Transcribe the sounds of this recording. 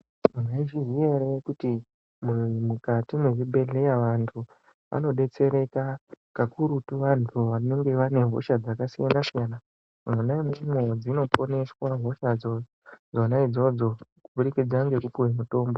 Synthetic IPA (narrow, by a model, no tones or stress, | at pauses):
meiʒiʐierekuti | muimukatimweʐibʱe̞ɮe̞jaʋantʰu | ʋa̰no̞ɗe̞t͡se̞ɾe̞kakakuɾutuʋantʰuʋane̞ŋɡe̞ʋane̞ɦo̞̰ʃad͡zakasijanasijana | onaimumo̞d͡zino̞po̞ne̞swaɦo̞ʃad͡zo | d͡zonaid͡zo̞d͡zo̞kuɓuɾikid͡zaŋɡe̞kupuwemuto̞ːmbo̞